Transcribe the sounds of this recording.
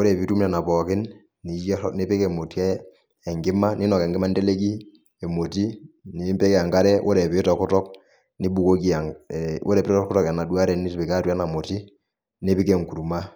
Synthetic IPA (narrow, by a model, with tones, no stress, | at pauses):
o˦ɾɛ˨pi˦tu˦mnɛ˨na˨pɔ˨kɪ˦n | ni˨jɛ˦ne˦pe˦kɛ˨mo˨ti˦ɛː˦˨ | ŋɡɪ˦ma˦ni˦nɔ˨kɛ˨ŋɡɪ˦ma˦nde˦le˦k̬i˦ | e˨mo˨ti˦ni˨˦mpe˦kɛ˨a˨ŋka˦ɾɛ˦ʔo˦ɾɛ˨pɪ˨˦tɔ˨kʊ˦tɔ˦k̚ | ni˦bu˨ko˦ki˦a˨wo̰˦ɾɛ˨pɾtɔ˦kʊ˦tɔ˦kɛ˨na˨dwa˦ɾɛ˨ni˦tpɪ˨ka˦tu˦ɛ˦na˨mo˨ti˦ | ne˦pi˦kɛ˨ŋku˨ɾu˨ma˦